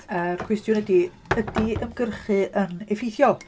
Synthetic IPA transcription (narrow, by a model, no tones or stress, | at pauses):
ərkʰwɛstjʊnədi | ədiəmɡərχɨʔənɛfɪjθjɔlˠ